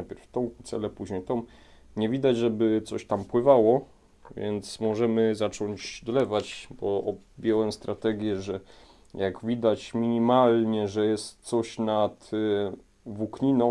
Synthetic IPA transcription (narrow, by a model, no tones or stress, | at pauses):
ajpʲɛɾft̪ɔ̃w̃t̪sɛ̰lɛpuʑɲejt̪ɔ̃w̃ | ɲɛvʲid̪ad͡ʑʐɛbɘt̪sɔɕt̪ampwɘvawɔ | vʲjɛ̰nt̪smɔʐɛmɘzat͡ʂɔɲd͡ʑd̪ɔlɛvat͡ɕbɔʔɔ | bʲjɔwɛmst̪ɾat̪ɛɡʲjɛʐɛ | jaɡvʲid̪at͡ɕmʲiɲimalɲɛʐɛjɛst̪sɔɕnat̪ | vukɲinɔ̃